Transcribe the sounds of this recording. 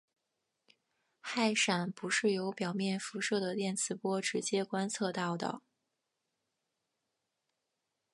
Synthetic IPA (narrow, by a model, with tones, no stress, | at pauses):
xa˥˩ɪʂa˨˩npu˧˥ʂɻ̩˥˩jo˧˥ʊpjɑ˨˩ʊmjɛ˥˩nfu˧˥ʂɤ˥˩d̪ə˩t̪jɛ˥˩nt͡sʰɹ̩˧˥pwɔ˥ʈ͡ʂɻ̩˧˥t͡ɕjɛ˥kwa˥nt͡sʰɤ˥˧t̪ɑ˥˩ʊd̪ə̰˩